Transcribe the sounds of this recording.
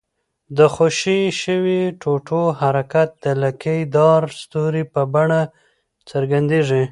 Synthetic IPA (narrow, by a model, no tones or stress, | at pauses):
d̪əxoʃiʃəwiʈoʈohaɾakat̪̚d̪əlakəjd̪ɑɾst̪uɾipəbaɳa | t͡səɾɡand̪eʐi